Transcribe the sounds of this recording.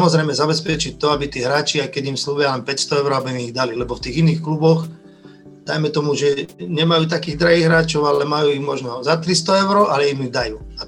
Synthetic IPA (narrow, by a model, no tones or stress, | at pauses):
mɔzɾɛjmɛzabɛspɛt͡ʃic̚t̪ɔabit̪iːɦɾaːt͡ʃiajkɛɟimslubɪalɛnpɛcst̪ɔɛʊɾɔabimiɣd̪alilɛbɔft̪iːɣiniːxklubɔx | d̪̥ajmɛt̪ɔmuʒɛɲɛmajuːt̪akiːɣd̪ɾaɦiːɣɦɾaːt͡ʃɔʊalɛmajuːiɣmɔʒnɔzat̪ɾist̪ɔɛʊɾɔʔalɛimiɣd̪ajuː | a